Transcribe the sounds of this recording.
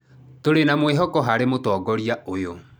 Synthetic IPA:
toɾenamweɦɔkɔɦaɾemotɔːɡɔɾiaʔojo

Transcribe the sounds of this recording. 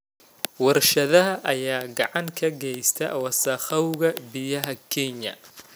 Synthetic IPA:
wɐrʃɐðɐɦɐʔɐjaːɡɑʕɑŋkʰɐɡɛjst̪ʰɐ̰wɐsɐχɐwɣɐbɪjɐɦɐkʰɛɲɐ̰

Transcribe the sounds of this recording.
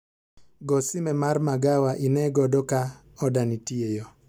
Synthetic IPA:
ɡɔsimɛmaɾmaɡawaʔinɛɡɔdɔka | ɔdanitiɛjɔ

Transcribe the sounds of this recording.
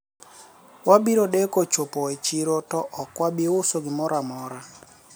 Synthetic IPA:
wabiɾoɗekot͡ʃopɔɛt͡ʃiɾotɔʔɔkwabiʊsoɡɪmɔɾamɔɾa

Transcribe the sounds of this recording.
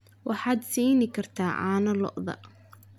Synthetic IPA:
wʔɑħɑːd̪siːjnɪkʰɐrt̪ʰaːʕa̰ːnɐlɔ̰ʔðɐ̰

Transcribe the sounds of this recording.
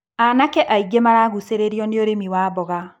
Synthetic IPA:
anakɛʔaiɡemaɾaɣuseɾeɾiɔneoɾemiwabɔɣa

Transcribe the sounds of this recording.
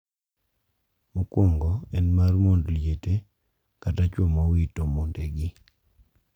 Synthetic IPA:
mʊkoŋɡɔɛnmarmondljete | katat͡ʃwɔmɔwitomondeɡɪ

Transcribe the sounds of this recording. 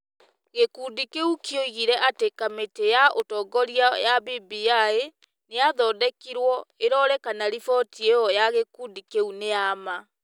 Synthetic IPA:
ɣekuːdikeukjoiɣiɾɛʔatekametejaʔotɔɡɔɾiajabibiae | neaðɔdɛkiɾwɔeɾɔɾɛkanaɾifɔtieɔjaɣekudikeuneama

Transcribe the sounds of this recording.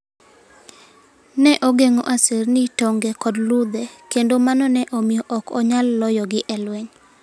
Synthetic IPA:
nɛʔoɡeŋoʔasernitoŋɡɛkɔdlud̪ɛkendomanɔnɛʔomɪjɔʔɔkɔ̰ɲalːɔjɔɡɪʔɛlweɲ

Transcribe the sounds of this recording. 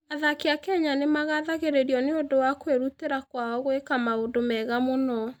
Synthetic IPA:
aðakeakɛɲanemaɣaðaɣeɾeɾiɔneodowakweɾuteɾakwaɔɣoekamaodomɛɣamonɔ

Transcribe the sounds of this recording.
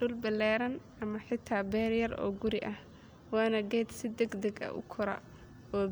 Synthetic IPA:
ʊlbɐlɛːɾɐnʔɐmɐħɪt̪ʰaːbɛːrjɐrɔ̰ːɡʊɾɪʔɐh | wɑːnɐɡɛːd̪sɪd̪ɛɡd̪ɐɡɐ̰ʔʊ̰kʰʊɾɐ̰ | ɔː

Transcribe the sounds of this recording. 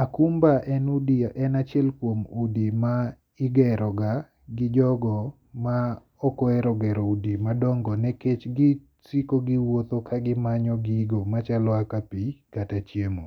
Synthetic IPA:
akumbaʔɛnudiʔɛnat͡ʃjɛlkwomudima | ɪɡɛɾɔɡa | ɡɪd͡ʒɔɡɔ | ma | ɔkɔɛɾɔɡɛɾɔudimadɔŋɡɔnɛket͡ʃɡɪ | sikoɡɪwot̪okʰaɡɪmaɲɔɡɪɡomat͡ʃalɔakapikatat͡ʃjemo

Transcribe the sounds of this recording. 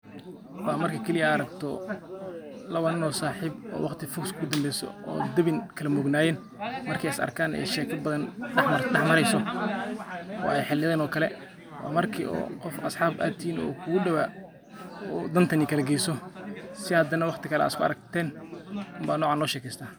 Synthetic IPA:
wʔɑːmɐrkʰɐkʰɐlɪjɐːɾɐɡt̪ʰɔ | lɐwɐnɪnɔːsaːħiːbɔ̰ːwɑqt̪ʰɪfʊkskʰʊd̪ɐmbɛjsɔ̰ɔ̰ːd̪ɐβɪnkʰɐlɐmɔɡnaːjɛːn | mɐrkʰɛjɪsɐ̰rkʰaːnʔɛ̰jʃɛːkʰɐbɐðɐnħɐdɑħmɐɾɛjsɔ | ɔ̰ːɛjħɪlɪðɛːnɔːkʰɐlɛ | wʔɑ̰ːmɐrkʰḭʔɔ̰ːqɔfɐsħɑːbʔa̰ːt̪ʰinɔ̰ːkʰʊɣʊɖɐwa | ɔd̪ɐnt̪ʰɐnɪkʰɐlɐɡɛjsɔsɪhɐd̪ɐnɐwɑqt̪ʰɪkʰɐlɛ̰ɪskʰʊɐ̰ɾɐk̚t̪ʰɛːnmbaːnɔːʕaːnlɔːʃɛːkʰɛːst̪ʰaː

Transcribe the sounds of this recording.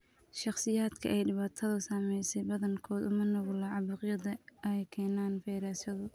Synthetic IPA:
ʃɑχsɪjaːd̪kʰɐ̰ʔɛjɖɪβaːt̪ʰɐðʊsaːmɛjsɛjbɐðɐŋkʰɔːd̪ʊmɐnɔɣʊlɐʕɑbʊːqjɐðɐjkʰɛːnaːnfɛjɾaːsɐðʊ

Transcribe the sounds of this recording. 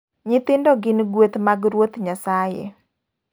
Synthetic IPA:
ɲɪt̪ɪndɔɡɪnɡwet̪maɡɾwot̪ɲasajḛ

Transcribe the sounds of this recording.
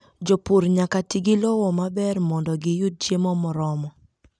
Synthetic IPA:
d͡ʒopuɾɲakatiɡilɔwɔmabɛrmɔndɔɡɪjut̚t͡ʃjemɔmɔɾɔmɔ

